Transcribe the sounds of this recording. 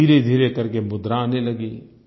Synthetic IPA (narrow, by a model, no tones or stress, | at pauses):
iːɾed̪ʱiːɾekəɾkemʊd̪ɾaːneləɡeː